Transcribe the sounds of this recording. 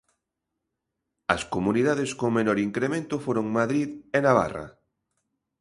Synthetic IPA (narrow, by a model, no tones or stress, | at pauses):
ɐskomuniðaðeskomenɔɾiŋkɾemẽnt̪ʊfoɾoŋmaðɾiðenaβ̞a̰ra̰